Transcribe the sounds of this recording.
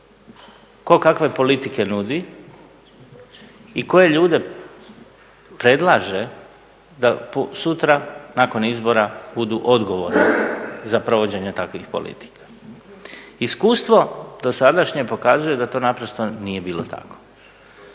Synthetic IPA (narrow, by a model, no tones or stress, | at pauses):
ko̞kakʋe̞po̞lit̪ike̞nud̪i | iko̞je̞ʎuːd̪e̞ | pɾe̞d̪lˠaʒe̞ | d̪aposut̪ɾanako̞nizbo̞ɾabud̪uʔo̞d̪ɡo̞ʋo̞̰ɾnizapɾo̞ʋo̞d͡ʑe̞ɲet̪akʋixpo̰lḭt̪i̥kḁ | iskuːst̪ʋo̞d̪osad̪aʃɲepo̞kazuje̞d̪at̪oːnapɾo̞st̪o̞nije̞biːlo̰t̪ʰa̰ko̥